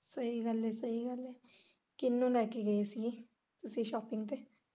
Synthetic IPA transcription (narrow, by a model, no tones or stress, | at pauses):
səiːɡəleːsəiːɡəleː | kɪnːũːlɛːkeːɡəeːsi | t̪ʊsĩːʃɔːpɪŋɡt̪eː